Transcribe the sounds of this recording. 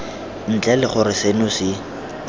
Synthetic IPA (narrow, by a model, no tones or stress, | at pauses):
n̩t͡ɬʼɛlɪχʊɾɪsenʊsɪ